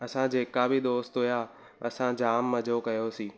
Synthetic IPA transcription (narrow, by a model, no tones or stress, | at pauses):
ɐsãd͡ʑeːkabʱid̪oːst̪ɦuja | ɐsãd͡ʑaːmːɐ̃d͡ʑʱokɐjosĩː